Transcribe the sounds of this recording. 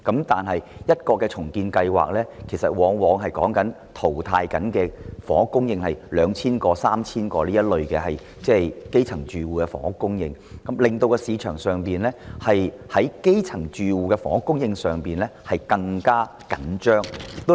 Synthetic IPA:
kɐ˨˥mt̪aː˨nɦɐ˨jjɐ˥t̚kɔː˧kːɛː˧t͡sʰʊ˨˩ŋkiː˧nkɐ˧jwa̰ː˨˩k̚lɛː˥kʰe˨˩jsɐ˨t̚wɔː˨˥ŋwɔː˨˧˥ŋɦɐ˨jkɔː˨˥ŋkɐ˨˥n | t̪ʰo˨˩wt̪ʰaː˧jkɐ˨˥nkɛː˧fɔː˨˥ŋ˨kːʊ˥ŋjɪ˧ŋhɐ˨jlœː˨˧ŋt͡sʰiː˥nkɔː˧saː˥mt͡sʰiː˥nkɔː˧liː˥jɐ˥t̚lɵ˨ɥkɛ˧ɦɐ˨j | t͡sɛː˥jke˥jt͡sʰɐ˨˩ŋt͡ʃyː˨wuː˨kɛ˧fɔ̰ː˨˩ŋhʊ˧˥kːʊ˥ŋjɪ˧ŋ | kɐ˨˥mlɪ˨ŋt̪o˧wkɔ˧siː˨˧t͡ʃʰœː˨˩ŋsœː˨ŋpiː˨nlɛː˥hɐ˨j | hɐ˨˥jke˥jt͡sʰɐ˨˩ŋt͡ʃyː˨wuː˨˧kɛ˧fɔ̰ː˨˥ŋ˥kːʊ˥ŋjɪ˧ŋsœː˨ŋpiː˨˩nlɛː˥hɐ˨jkɐ˧ŋkaː˥ | kɐ˨˩˥nt͡ʃœː˥ŋ̚˨t̪o˥

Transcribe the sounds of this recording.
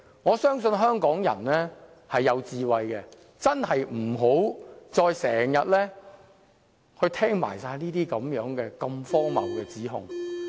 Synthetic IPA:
ŋɔː˨˧sœː˥ŋsɵ˧nɦœː˥ŋkɔː˨˥ŋjɐ̰˨˩nlɛː˥ | hɐ˨jːɐ˨˧wt͡siː˨˧wɐ˨jkɛ˧ | t͡sɐ˥nhɐ˨jm̩˨˩ɦo˨˥wt͡sɔː˧jsɛː˨˩ŋjɐ˨t̚lɛː˥ | hɵ˧ɥt̪ʰɛː˥ŋma̰ː˨˩jsaː˧jniː˥t̪iː˥kɐ˨˥mjœː˨˥ŋkɛː˧kɐ˧mfɔː˥ŋmɐ̰˨˩wkɛː˧t͡siː˨˥ɦʊ̰˨˧ŋ

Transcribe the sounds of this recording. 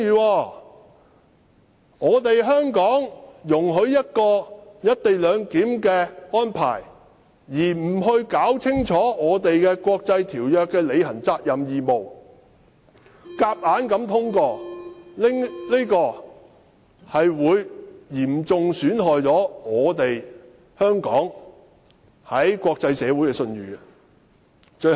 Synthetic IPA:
iː˨˧wɔː˧ | ŋɔː˨˧t̪e˨jɦœː˥ŋkɔː˨˥ŋjʊ˨˩ŋɦɵ˨˥ɥjɐ˥t̚kɔː˧jɐ˥t̚t̪e˨jlœː˨˧ŋkiː˨˥mkɛː˧ɔː˥npʰa̰ː˨˩j | jiː˨˩m̩˨˩ɦɵ˧ɥkaː˨˥wt͡sʰɪ˥ŋt͡ʃʰɔː˨˥ŋɔː˨˧t̪e˨jkɛː˧kʷɔː˧k̚t͡sɐ˧jt̪ʰiː˨˩wjœː˨kːɛː˧le˨˧jhɐ˨˩nt͡saː˧t̚jɐ˨mjiː˨mo˨w | kaː˧p̚ʔaː˨˥nkɐ˨˥mt̪ʰʊ˥ŋkɔː˧lɪ˥ŋli˥kɔː˧ | hɐ˨jwuː˨˧jjiː˨˩mt͡sʊ˨ŋsyː˨˥nɦɔː˨jt͡sɔː˨˥ŋɔː˨˧t̪e˨j | hœː˥ŋkɔː˨˥ŋ | hɐ˨˥jkwɔː˧k̚t͡sɐ˧jsɛː˨˧wuː˨˥jkɛː˧sɵ˧nɥyː˨ | t͡ʃɵ˧

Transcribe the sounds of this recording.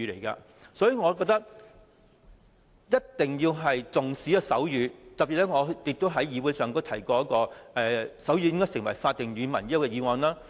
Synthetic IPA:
yː˨˧lḛ˨˩jka̰˧ | sɔː˨˥jyː˨˧ŋɔː˨˧kɔː˧k̚t̪ɐ˥k̚ | jɐ˥tt̪ɪ˨ŋjiː˧wɦɐ˨jt͡sʊ˨ŋsi˨˥jɐ˧sɐ̰˨˥wjyː˨˥t̪ɐ˨piː˨t̚lɛ˥ŋɔː˨˧t̪ɪ˧k̚t̪o˥wɦɐ˨˥jjiː˨˧wuː˨˧jsœː˨ŋ˥t̪t̪ʰɐ˨˩jkɔː˧jɐ˥kɔː˧ɛː˧sɐ˨˥wjyː˨˧jɪ˥ŋkɔː˥jsɪ˨˩ŋwɐ˨˩jfaː˧t̚t̪ːɪ˨ŋjyː˨˧mɐ̰˨˩njwkɛ˧jiː˨˧wɐː˨˩nlaː˥

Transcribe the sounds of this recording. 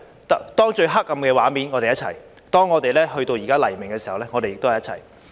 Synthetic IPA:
t̪t̪ɔː˥ŋt͡ʃɵ˧ɥɦa˥k̚ːɐ˧mkɛː˧waː˨˥mi˨˥nŋɔː˨˧te˨jɐ˥t̚t͡ɕʰɐ̰˨˩j | t̪ɔː˥ŋːɔː˨˧t̪e˨jlɛː˥hɵ˧ɥt̪o˧wjiː˨˩kaː˥lɐ˨˩jmɪ˨˩ŋkɛː˧siː˨˩hɐ˨wlɛː˥ŋɔː˨˧t̪e˨jɪ˨k̚t̪o˥hɐ˨jɐ˥t͡ɕʰɐ̰˨˩j

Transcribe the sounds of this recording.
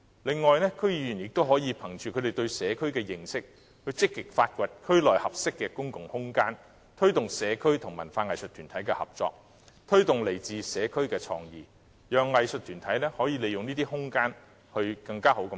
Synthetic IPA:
lɪ˨˧ŋːɔː˨jnɛː˥kʰɵ˥ɥjiː˨˧jy˨˩njɪ˨k̚t̪o˥wɦɔː˨˥jiː˨˧pʰɐ˨˩ŋt͡ʃyː˨kʰɵ˨˧d̪e˨jt̪ɵ˧ɥsɛː˨˧kʰɵ˥ɥkɛː˧jɪ˨˩ŋsɪ˥k̚ | hɵ˧ɥt͡sɪ˥kːɪ˨k̚faː˧t̚kʷɐ˨t̚kʰɵ˥ɥlɔː˨jhɐ˨p̚sɪ˥kːɛː˧kʊ˥ŋkʊ˨ŋhʊ˥ŋkaː˥n | t̪ʰɵ˥ɥt̪ʊ˨ŋsɛː˨˧kʰɵ˥ɥt̪ʰʊ˨˩ŋmɐ˨˩nfaː˧ŋɐ˨jsɵ˨t̪ʰyː˨˩nt̪ʰɐ˨˥jkɛː˧hɐ̰˨p̚t͡sɔ̰ː˧k̚ | t̪ʰɵ˥ɥt̪ʊ˨ŋle˨˩jt͡siː˨˧sɛː˨˧kʰɵ˥ɥkɛː˧t͡sʰɔ̰ː˧ŋjiː˨ | jœː˨ŋːɐ˨jsɵ˨t̪ʰyː˨˩nt̪ʰɐ˨˥jnɛː˥hɔː˨˥jiː˨˧le˨jʊ˨ŋniː˥t̪i˥hʊ˥ŋkaː˥n | hɵ˧ɥkɐ˧ŋkaː˥ho˨˥wkɐ˧

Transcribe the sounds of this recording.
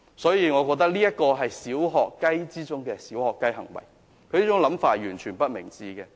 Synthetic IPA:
sɔː˨˥jiː˨˧ŋɔː˨˧kɔː˧k̚t̪ɐ˥k̚liː˥jɐ˥t̚kɔː˧ɦɐ˨jsiː˨˥wɦɔː˨kːɐ˥jt͡siː˥t͡sʊ˥ŋkɛː˧siː˨˥whɔː˨kːɐ˥jɦɐ˨˩ŋwɐ̰˨˩j | kʰɵ˨˧liː˥t͡ʃʊ˨˥ŋlɐ˨˥mfaː˧jyː˨˩nt͡ʃʰyː˨˩npɐ˥t̚mɪ˨˩ŋt͡siː˧kɛː˧

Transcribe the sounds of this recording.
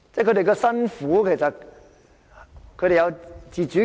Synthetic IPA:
t͡sɛ˥˩kɵ˨˧tɾe˨jkɔ˧sɐ˥nfuː˨˥kʰe˨˩jsɐ˨t̚ | kʰɵ˧ɾe˨jɐ˧wt͡siː˨t͡ʃyː˨˥

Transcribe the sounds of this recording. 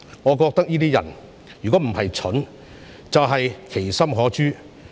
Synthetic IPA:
ŋɔː˨˧k̬ɔː˧k̚t̪ɐ˥k̚jiː˥t̪iː˥jɐ̰˨˩n | jyː˨˩kɔː˨˥m̩˨˩hɐ˨jt͡ʃʰʊ˨˥n | t͡sɐ˨wɦɐ˨jkʰe˨˩jsɐ˥mɦɔː˨˥t͡ʃyː˥

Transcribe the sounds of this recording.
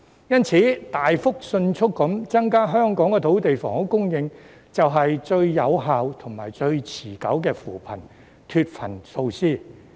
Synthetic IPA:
jɐ˥nt͡sʰiː˨˥t̪aː˨jfʊ˥k̚sɵ˧nt͡ʃʰʊ˥kːɐ˨˥mt͡sɐ˥ŋkaː˥ɦœː˥ŋkɔː˨˥ŋkɛ˧t̪ʰo˨˥wt̪e˨jfɔː˨˩ŋhʊ˨˥kːʊ˥ŋjɪ˧ŋ | t͡sɐ˨wɦɐ˨jt͡ʃɵ˧ɥjɐ˨˧wɦaː˨wt̪ʰʊ˨˩ŋmaː˨˩jt͡ʃɵ˧ɥt͡sʰiː˨˩kɐ˨˥wkɛː˧fuː˨˩pʰɐ̰˨˩n | t̪ʰyː˧t̚fʰɐ˨˩nso˧wsiː˥

